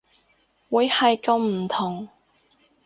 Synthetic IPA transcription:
wuː˨˧jhɐ˨jkɐ˨˧wm̩˨˩t̪ʰʊ˨˩ŋ

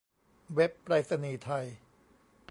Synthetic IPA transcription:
we˦˥pːɾaː˦˥t̪̚sa˧niː˧t̪ʰa˧j

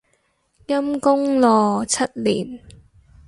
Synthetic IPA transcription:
kɐ˥mkʊ˥ŋlɔː˨t͡sʰɐ˥t̚liː˨˩n

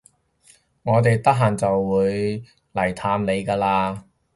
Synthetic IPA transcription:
ŋɔː˨˧t̪̬e˨jt̪ɐ˥k̚ɦaː˨˩nt͡sɐ˨wːuː˨˧j | lɐ˨˩jt̪ʰaː˧mle˨˧jkaː˧laː˧

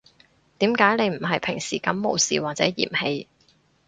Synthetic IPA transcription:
t̪iː˨˥mkaː˨˥jne˨˧jm̩˨˩ɦɐ˨jpʰɪ˨˩ŋsḭː˨˩kɐ˨˥mːo˨˧wsḭː˨˩waː˨t̚t͡sɛ̰ː˨˥jḭː˨˩mhe˧j

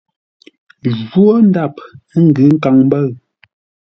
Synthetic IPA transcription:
ʒo˦n˦da˦˨p̚ŋ̩˦ɡɨ˨˦ŋ̩˦ka˨ŋm˦bə˦˨ɰ

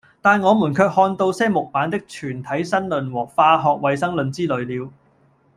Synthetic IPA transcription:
t̪aː˨nŋɔː˨˧muː˨˩nkʰœː˧k̚hɔː˧nt̪o˧wsɛː˥mʊ˨k̚paː˨˥nt̪ɪ˥k̚t͡ʃʰyː˨˩nt̪ʰɐ˨˥jsɐ˥nlɵ˨nwɔː˨˩k̚faː˧ɦɔː˨k̚wɐ˨jsɐ˥ŋlɵ˨˧nt͡siː˥lɵ˨˧ɥliː˨˧w

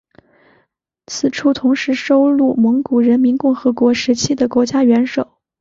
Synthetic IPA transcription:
t͡sʰɹ̩˨˩ʈ͡ʂʰu˥˩t̪ʰʊ˧˥ŋʂɻ̩˧˥ʂo˥ʊlu˥˩mɤ˧˥ŋku˨˩ɻə˧˥nmi˧˥nkʊ˥˩ŋxɤ˧˥kwɔ˧˥ʂɻ̩˧˥t͡ɕʰi˥d̪ə˨kwɔ˧˥t͡ɕja˥ɥɛ˧˥nʂo˨˩˦ʊ

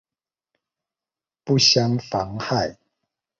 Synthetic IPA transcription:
pu˥˨ɕja˦ŋfɑ˨˦ŋha˥˨ɪ

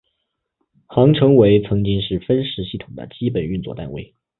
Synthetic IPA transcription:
xɑ˧˥ŋʈ͡ʂʰɤ˧˥ŋwe˧˥ɪt͡sʰɤ˧˥ŋt͡ɕi˥ŋʂɻ̩˥˩fə˥nʂɻ̩˧˥ɕi˥˩t̪ʰʊ˨˩ŋd̪ə̰˦t͡ɕi˥pə˨˩ny˥˧nt͡swɔ̰˥˩t̪a̰˥˧nwḛ˥˩ɪ

